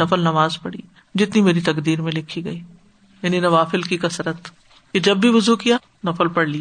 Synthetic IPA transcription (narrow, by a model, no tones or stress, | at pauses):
nɐfəlnɐmaːzpɐɽḭː | d͡ʒɪt̪nimeːɾit̪ɐkd̪iːɾmẽlɪkʰːiɡɐiː | jɐninɐʋaːfɪlkikɐsɾət̪ | ked͡ʒɐbːʱiʋʊzukijaː | nɐfəlpɐɽliaː